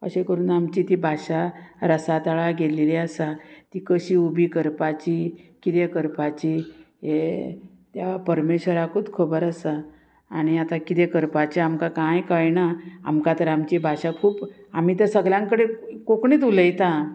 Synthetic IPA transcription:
ə̰ɕekəɾuːnamt͡ɕit̪ibʱaɕaɾəsat̪aɭaɡelileəsat̪iːkəɕiːubʱikəɾpat͡ɕikit̪ekəɾpat͡ɕi | ɦe | t̪japəɾmeɕʋəɾakʰud̪kʰəbəɾəsaː | ɽ̃iat̪akit̪ekəɾpat͡ɕiamkakãjkəjnaa̰mkat̪əɾamt͡ɕibʱaɕakʰuːpam̤iːt̪əɾsəɡljãŋkəɽekokɳiːt̪̬uləjt̪a

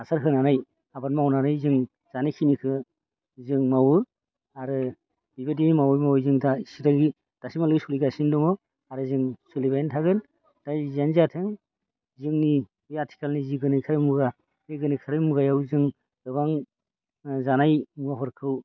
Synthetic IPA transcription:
asaɾɦɯnanaj | abanmawnanajzɯŋ | z̥anajkʰinikʰɯ | zɯŋmawɯ | aɾɯ | bibedinimawjmawjzɯŋdaisitaŋɡi | d̥asimalɯɡisuliɡasindɔmɔ | aɾɯzɯŋsulibajentʰaɡɯn | d̥ajzanzatʰɯŋ | zɯŋni | ɯjatʰi̥kʰalniziɡɯnɯjkʰaɾɯmuɡa | ɯɡɯnɯjkʰaɾɯmuɡajawzɯŋ | ɡɯbaŋ | zanajmuaɦɔɾkʰɯw

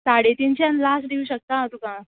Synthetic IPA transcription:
saɽet̪int͡ɕjãnlasd̪ʱeuɕək̚t̪ãt̪ukã

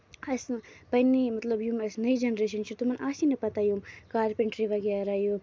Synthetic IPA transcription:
ɐspɐnːimɐt̪lɐbjumɐsnɐid͡ʒɐnɾeːʃ̬ɐnt͡ʃʰit̪umɐnʔaːsinɐpɐt̪ajumkaːɾpeɳʈɾiʋɐɡjaɾaːju

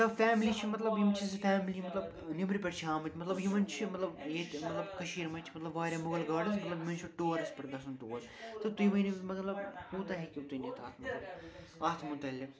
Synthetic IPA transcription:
ɐt̪ɐbfaːmliːt͡ʃʰimɐt̪lɐbjimt͡ʃʰizfaːmlimɐt̪lɐb | nimɾipʲɐʈt͡ʃʰiɦaːmɐt̪ʲmɐt̪lɐbɦimɐnt͡ʃʰimɐt̪lɐbjet̪mɐt̪lɐbkɐʃiːɾmɐt͡ʃʰi̥mɐt̪lɐbʋaːɾʲjaːmʊɡɐlɡaːɖɐnsmɐt̪lɐbjimɐnt͡ʃʰuʈoːɾɐspɐɾʲd̪ɐsɐnt̪uːʋɐt̪t̪ɨt̪ujiʋɐnimɐt̪lɐbhuːt̪aɦekʲit̪unit̪ʰaːt̪ʰmɐt̪lɐb | aːt̪ʰmut̪ɐlʲːi

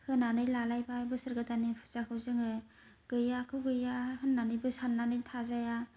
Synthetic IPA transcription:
hɯnːanɯjlalajbabɯsɯɾɡɯtanipʰu̥zakʰɯwzɯŋɯ | ɡ̥ɯjakʰɯwɡɯjahɯnːanɯjbɯsanːanɯjtʰazaja

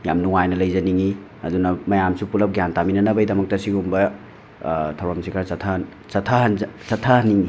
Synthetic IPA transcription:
ja̰mnuŋajnɐlɐjzɐniŋi | ɐ̰dunɐmɐjamsupulɐp̚ɡjantaminɐnɐbɐjdɐmɐk̚tɐsiɡumbɐ | tʰɐwɾamsikʰaɾsɐtʰa | sɐtʰɐɦɐnsɐtʰːahɐniŋi

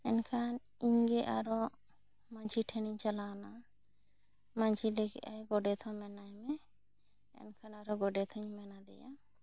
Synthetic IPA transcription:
ɛnkʰan | iɲɡɛʔaɾɔ | maɲt͡ʃʰiʈʰɛniɲt͡ʃalana | maɲt͡ʃʰilɛkɛ̰ajɡɔɖɛt̪ʰɔmɛnajmɛ | ɛ̰nkʰanaɾɔɡɔɖɛt̪ʰɔɲmɛnad̪ɛ̰ja

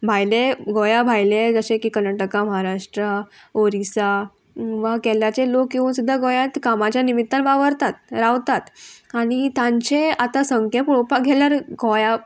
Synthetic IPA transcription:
bʱajleɡojabʱajled͡zəɕẽkiːkəɾnaʈəkaməɦaɾaʂʈɾə | oɾisa | ʋakɛljat͡ɕelokːeʋuːnsud̪ʱːaɡojãt̪kamat͡ɕjanimit̪ːanʋaʋəɾt̪at̪̚ɾaʋt̪at̪aɽ̃it̪ãɲt͡ɕeat̪asəŋkʰjepuɭopaɡʱɛljaɾɡʱoja

